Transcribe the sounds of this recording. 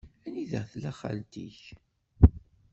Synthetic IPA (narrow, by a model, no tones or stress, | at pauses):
æniðəʁθlæχa̰lt̪ḭç